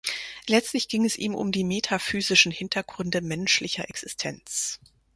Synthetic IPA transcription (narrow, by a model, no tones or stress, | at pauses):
lɛt͡stlɪçɡ̥ɪŋɛsʔiːmʔʊ̰mdiːmetʰafyːzɪʃn̩hɪntʰɐɡ̥ʁʏndəmɛnʃlɪçɐʔɛksɪstʰɛnt͡s